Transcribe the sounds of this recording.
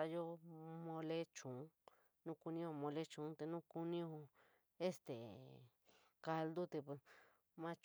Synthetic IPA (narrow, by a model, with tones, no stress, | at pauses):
a˧jo˦mõ˧le˦t͡ʃũ˨˦ | nũ˦ku˧nĩ˦õ˧mõ˧le˦t͡ʃũ˨˦t̪e˧nũ˦ku˧nĩ˦õ˧ | e˦st̪ḛ˨ | ka˧ld̪u˦t̪e˧pwe˧s | mã˧˦t͡ʃ